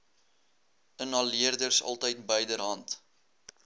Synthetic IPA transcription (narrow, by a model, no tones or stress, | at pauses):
ənɦɐlːiərdərsɐ̰lˠtəjt̚bəjdəɾɦɐnt